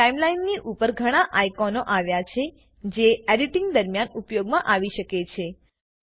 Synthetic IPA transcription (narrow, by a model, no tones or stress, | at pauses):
aimlainːiʔupəɾɡʱəɽ̃ãʔajkonoʔaʋjat͡ʃʰe | d͡ʒeɛɖiʈɪŋɡd̪əɾmjanupjoɡmãʔaʋiʃəket͡ʃʰe